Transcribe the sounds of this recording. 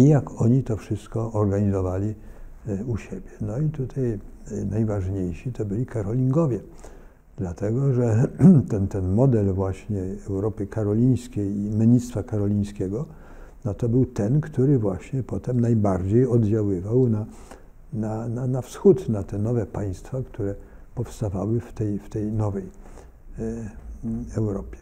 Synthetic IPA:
ijakɔɲit̪ɔfʂɘst̪kɔːɾɡaɲizɔvalʲi | uɕebʲjɛnɔit̪ut̪ʰajnajvaʐɲejɕit̪ɔbɘlʲikaɾɔlʲiŋɡɔvʲjɛ | d̪lat̪ɛɡɔʐɛt̪ɛnt̪ɛnmɔd̪ɛlvwaɕɲɛɛwɾɔpɘkaɾɔlʲij̃skʲejimʲɘɲit̪st̪fakaɾɔlʲĩj̃skʲɛɡɔ | nɔt̪ɔbɘwt̪ɛnkt̪uɾɘvwaɕɲɛpɔt̪ɛmnajbaɾd͡ʑejɔd̪d͡ʑawɘvawna | nananafsxut̪nat̪ɛnɔvɛpaj̃st̪fakt̪uɾɛ | pɔfst̪ava̰wɘft̪ɛjft̪ɛjnɔvɛj | ɛwɾɔpʲjɛ̥

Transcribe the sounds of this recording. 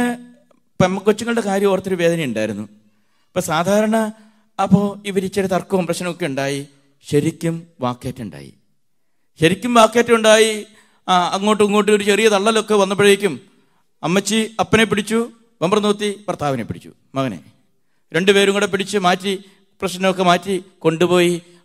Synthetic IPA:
pemːɐkːot͡ɕːuŋːɐɭɨɽe̞kaːɾjɐmoːrɐt̪ːoɾuʋe̞ːd̪ɐnɐjuɳɖaːjiɾunːu | pːoːsaːd̪ʱaːɾɐɳɐː | pːoːiʋɐɾit͡ɕːɐɾet̪ɐrkːuʋɐmprɐɕnɐmokːe̞uɳɖaːji | ɕɐɾikʲːumʋaːkːeːtːuɳɖa̰ːjḭ | ɕɐɾikʲːumʋaːkːeːtːɐuɳɖaːji | ɐŋːo̞ːʈːɨuŋːoːʈ̬ːɨo̞ɾut͡ɕerijɐt̪ɐɭːɐlo̞kːe̞ʋɐnːɐp̬ːeɽiɾikʲːum | ɐmːɐt͡ɕːɨɐpːɐnep̬ːiɽit͡ɕːu | ʋɐmbrɐnuːt̪ːiprt̪aːʋɐnepiɽʰit͡ɕːṵ | mɐɣɐnḛ | ɾe̞ɳɖɨpe̞ːɾuŋɐɽep̬ːiɽit͡ɕːɨmaːtːi | prɐɕnɐɐmokːe̞maːtːiko̞ɳɖupo̞ːji

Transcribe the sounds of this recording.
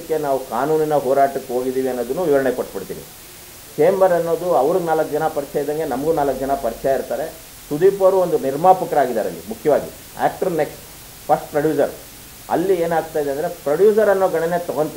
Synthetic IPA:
kːe̞naːʋukaːnuːninɐɦoːɾaːʈɐkːeɦo̞ːɡid̪iːʋiɐnːo̞ːd̪unːuːʋiʋɐɾɐɳekoʈːpiɽt̪ḭːʋḭ | t͡ʃeːmbɐɾɐnːo̞ːd̪uɐʋɐɾuɡnaːlɐkːd͡ʒɐnɐpɐɾt͡ʃajid̪ɐŋɡe̞nɐmɐɡunaːlɐk̚ːd͡ʒɐnɐpɐɾt͡ʃɛjaiɾt̪aːɾe̞ | sud̪iːpɐɾuond̪uniɾmaːpɐkɐɾaːɡid̪a̰ːɾɐ̰lːḭmukʰjɐʋaːɡḭ | a̰ːk̚ʈɐɾneksʈ | pʰɐsʈ̚pɾɐɖjuːs̬ɐ̰ɾ | ɐ̰lːieːnaːɡ̚t̪aːjd̪eɐnd̪ɐɾe̞pɾɐɽjuːs̬ɐɾɐnːoːɡɐɳɐne̞t̪ɔɡont̪

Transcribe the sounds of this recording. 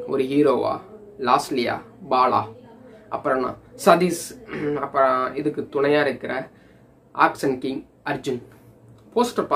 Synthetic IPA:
ɔ̰ɾɯɦiːɾoːʋa̰ː | laːslɪja̰ː | baːla̰ːʔɐpːɐɾɐnːã̰ːsɐd̪isɐpːɐɪðɯkːɯt̪ʊɳɐjaːɪɾɯkːɪɾɐ | ʔa̰ːksɐnkɪŋɡ | ɐɾd͡ʒɯn | poːsʈɐpa

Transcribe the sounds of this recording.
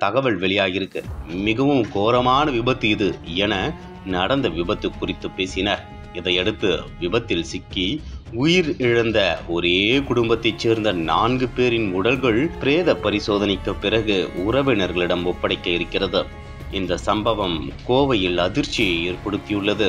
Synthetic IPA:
t̪ɐɣɐʋɐɭʋɛɭɪjaːjɪɾɯkːɯ̰mɪɣɐʋɯmkoːɾɐmaːnɐʋɪbɐt̪ːɯɪðɯɛnɐ | nɐɽɐnd̪ɐʋɪbɐt̪ːɯkːʊrɪt̪ːɯpːeːsɪnɐɾ | ɪðɐɪɛɽɯt̪ːɯʋɪbɐt̪ːɪlsɪkːiʊjɪɾɪɻɐnd̪ɐɔɾekʊɽʊmbɐt̪ːɐɪt͡ʃːeːɾnd̪ɐnaːnɡɯpeːɾɪnʊɽɐlɣɐɭpɪɾeːðɐpɐɾɪsoːðɐnɪkːɐpːɪrɐɣɯʊɾɐʋɪnɐɾɣɐɭɪɽɐmɔpːɐɽɐɪkːɐɪɾɯkːɪrɐðɯ | ɪnd̪ɐsɐmbɐʋɐmkoːʋɐjɪlɐðɪɾt͡ʃːɪjɐeːɾpɐɽɯt̪ːɪjɯɭːɐðɯ

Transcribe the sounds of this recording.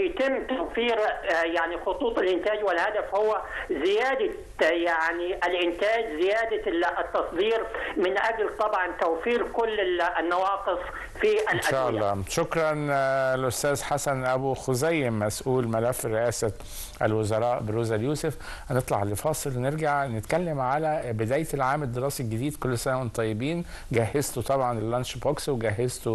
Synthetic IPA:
jt̪ɪmːt̪awfiːɾjaʕnixʊt̪ˤuːt̪ˤɪlʔɪnt̪aːd͡ʒwɪlhad̪afhʊwːazɪjaːd̪a | jaʕniʔalʔɪnt̪aːd͡ʒzɪjaːd̪at̪ːɑsˤd̪ˤiːɾmɪnʔaɡlt̪ˤɑbʕɑnt̪awfiːɾkʊlːnːɑwɑːqɨsˤ | fiʔalʔaʃaːʔɑlːɑːʃʊkɾˤɑnlʔost̪æːzħasænʔæbuxozæjːɪmːæsʔuːlmælæfːɾɪʔæːsæ | ʔæ̰lwozɑɾˤɑːʔbɾuːzæljuːsef | hnet̪ˤlɑʕlefɑːsˤelwneɾɡaʕnet̪kælːæmʕalæbɪd̪æːjt̪lʕaːmed̪ːeɾˤɑːsiɡɪd̪iːd̪kolːsænæment̪ˤːɑjːebiːn | ɡæɦːezt̪ot̪ˤɑbʕɑnelːænʃboksweɡæɦːezt̪o

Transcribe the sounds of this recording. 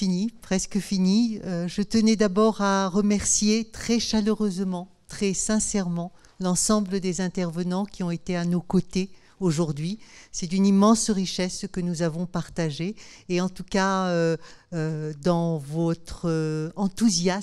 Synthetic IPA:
finipχɛskəfiniøʒət̪ənɛd̪abɔʁaʁəmɛʁsjet̪χɛʃaløʁøzmɑ̃ | t̪χɛsɛ̃sɛʁmɑ̃ | lɑ̃sɑ̃bləd̪ezɛ̃t̪ɛʁvənɑ̃kʲiɔ̃et̪eanokot̪e | oʒuʁd̪ɥisɛt̪ynimɑ̃sʁiʃɛskənuzavɔ̃paʁt̪aʒeːɑ̃t̪ukaøød̪ɑ̃vɔt̪χəɑ̃t̪uzja

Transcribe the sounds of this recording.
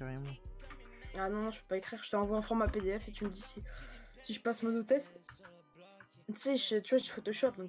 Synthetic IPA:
kaʁem̃ | anɔ̃nɔ̃ʒə̥pøpaekχiʁʒə̥t̪əɑ̃vwaɑ̃fʁɑ̃maped̪eɛfet̪yməd̪isisiʒəpasmɔd̪ot̪ɛst̪ | t̪seʒət̪yvwaʒifot̪ɔʃɔp̚d̪ɔ̃k

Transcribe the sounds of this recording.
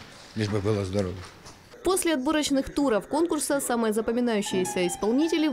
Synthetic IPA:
nʲiʐbɨbɨlˠəzd̪ɐɾovʲəx | po̞sʲlʲɪɐd̪̚boɾət͡ɕnɨxt̪uɾəfko̞nkʊrsəsamɨjəzəpəmʲɪnajʉɕːɪjɪsʲəɪspɐlˠnʲitʲɪlʲɪ

